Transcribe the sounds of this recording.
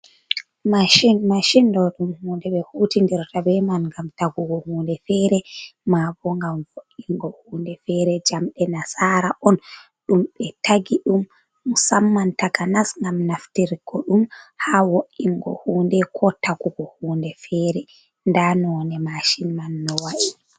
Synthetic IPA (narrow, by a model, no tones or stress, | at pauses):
maʃinmaʃindɔɗumhuːndɛɓɛhutindiɾtabɛmanɡamtaɡuɡɔhuːndɛfɛɾɛmabɔŋɡamwoʔiŋɡɔhuːndɛfɛɾɛd͡ʒamɗɛnasaːɾaʔɔn | ɗumɓɛtaɡiɗum | musamːantakanasŋɡamnaftiɾikɔɗumhawoʔiŋɡɔ̰huːndɛkʰɔtaɡuɡɔhuːndɛfɛːɾɛ | ndanɔnɛmaʃinmanːɔwaʔi